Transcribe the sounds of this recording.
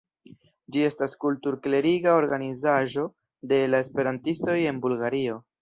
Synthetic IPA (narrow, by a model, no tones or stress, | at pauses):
d͡ʒie̞staskultuɾkle̞ɾiɡao̞ɾɡanizaʒo̞ | de̞lae̞spe̞ɾantisto̞je̞nbulɡaɾio̞